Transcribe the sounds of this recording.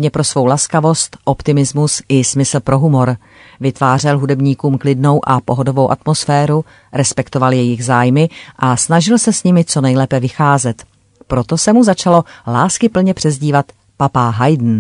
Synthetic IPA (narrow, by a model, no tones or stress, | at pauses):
ɲɛpɾo̞svo̞wlaskavo̞st̪ʔo̞pt̪ɪmɪzmusʔɪsmɪsl̩pɾo̞ɦumo̞ɾ | vɪt̪vaːr̝ɛlɦudɛbɲiːkuːmklɪdno̞wʔapo̞ɦodo̞vo̞wʔat̪mo̞sfɛːɾu | ɾɛspɛkt̪o̞valjɛjɪɣzaːjmɪʔasnaʒɪlsɛsɲɪmɪt͡so̞nɛjlɛːpɛvɪxaːzɛt̪ | pɾo̞t̪o̞sɛmuzat͡ʃalo̞laːskɪpl̩ɲɛpr̥ɛzɟiːvat̪ | papaɦajdn̩